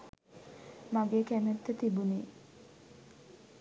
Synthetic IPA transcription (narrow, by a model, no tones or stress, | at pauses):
maɡekæmet̪ːət̪ibuneː